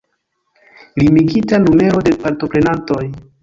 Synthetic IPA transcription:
limiɡitanume̞ɾo̞de̞paɾto̞pɾe̞nanto̞j

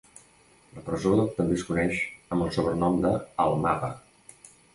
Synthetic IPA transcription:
ləpɾəzot̪əmbeskunɛʃəmbəlˠsoβɾənɔmd̪əəlˠmapə

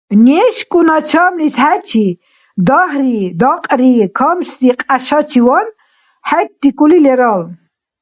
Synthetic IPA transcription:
nɛʃkʼunat͡ʃʰamlishæt͡ʃʰi | d̪ɔɦɾid̪ɑqʼɾikʰɔmst̪iqʼaʃat͡ʃʰiwɔn | hɛt̚d̪ikʼulilɛɾal

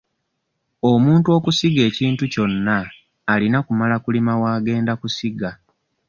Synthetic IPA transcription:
o̞muːntuo̞ːkusiɡe̞ːciːntuco̞nːaː | linakumalakulimawaːɡe̞ːndakusiɡa

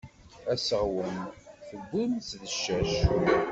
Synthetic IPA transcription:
æsəʁwənθəɡːunsðəʃːæʃ

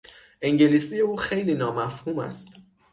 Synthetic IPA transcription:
ʔeŋɟe̞liːsije̞uːxe̞jliːnɒːmæfhuːmæ̰st̪

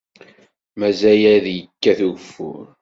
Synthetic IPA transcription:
mæzæjæðjəkːæθufʊ̰ɾ

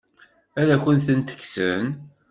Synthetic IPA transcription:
æɾækʷənθənt̪ə̥çsə̰n

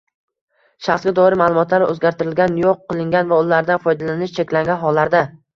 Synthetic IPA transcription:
ʃaχsɡʲad̪ɒɪɾɪmalˠʊmɒt̪laɾɵzɡʲaɾt̪ʰɪɾɪlɡʲanjoqːɨlˠɪŋɡʲanvaʊlaɾd̪anfɒjd̪alanɪʃt͡ʃʰe̞kʲlaŋɡʲanɦɒlːaɾd̪a

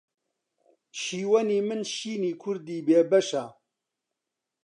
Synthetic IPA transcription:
ʃiːwɐniːmɨnʃiːniːkʰʊɾd̪iːbeːbɐʃa

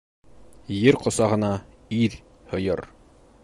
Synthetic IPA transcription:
jɘɾqŏsɑʁɤ̆nɑ | iɾ | hŏjɤ̰ɾ

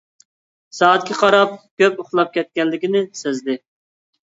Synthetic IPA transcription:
sɑːɛt̪̚kʲiqʰɑɾɑp̚kʲøpoχlˠɑp̚kʲʰɛt̪̚kʲɛnlːɪkʲinɪsezd̪ɪ

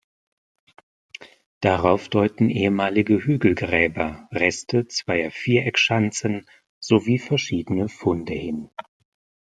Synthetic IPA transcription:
d̥aʁaʊfd̥ɔʏtn̩ʔeːəmaːlɪɡəhyːɡl̩ɡʁɛːbɐʁɛstət͡sv̥aɪɐfiːɐʔɛkʃant͡sən | z̥oviːfɛɐʃiːdənəfʊndəhɪn

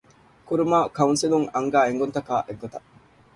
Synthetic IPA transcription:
kuɾumakɐwunsiluŋɐŋɡaːeŋɡont̪ɐkaːʔeɡɡot̪ɐ

